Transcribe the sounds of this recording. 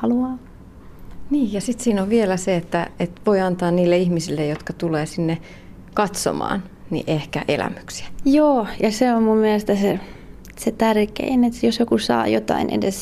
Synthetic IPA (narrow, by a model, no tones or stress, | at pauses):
hɑluɑː | niːjjɑsit̪siːnoʋʋielæseet̪ːæet̪ʋoiɑnt̪ɑːnniːlːeihmisilːejot̪kɑt̪uleːsinːe | kɑt̪so̰mɑ̰ːnnḭʔehkæʔḛlæ̰my̥ksi̥æ̥joːjɑseommummiælest̪æse | set̪ærkḛinet̪josjokusɑ̰ːjot̪ɑ̰inʔḛdes